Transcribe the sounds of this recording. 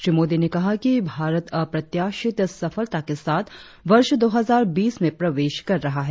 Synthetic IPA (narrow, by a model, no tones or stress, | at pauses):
ʃɾiːmoːd̪inekɐɦakibʱaːɾət̪ɐpɾɐt̪jaːʃɪt̪sɐfəlt̪akesaːt̪ʰ | ʋɐɾʃd̪oːɦɐzaːɾbiːsmẽpɾɐʋeːʃkɐɾːɐɦaɦɛː